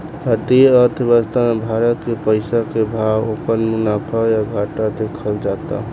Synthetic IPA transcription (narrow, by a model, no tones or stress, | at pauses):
pət̪iəɾt̪ʰbəst̪ʰamebʱaɾət̪kepəɪsakebʱawopənmunapʰajaɡʱaʈad̪ekʰəld͡ʒat̪a̰